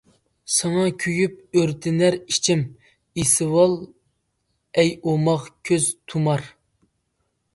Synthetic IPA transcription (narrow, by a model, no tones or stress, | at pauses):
sɑŋɑkʲʰyjyp̚øɾt̪ʰɪnæɾit͡ʃʰim | isɨwɑlˠ | ɛjomɑʁkʲʰøzt̪ʰumɑɾ